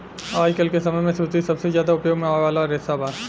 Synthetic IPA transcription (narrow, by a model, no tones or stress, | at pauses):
aːjkəlkesɐməjmẽsuːt̪isɐbsezjaːd̪aʊpjoːɡmẽaʋaːlaɾesaːbaː